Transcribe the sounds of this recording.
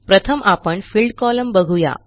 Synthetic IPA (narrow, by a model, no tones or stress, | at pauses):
pɾət̪ʰəmʔapəɳfilɖkɔləmbəɡʱuja̰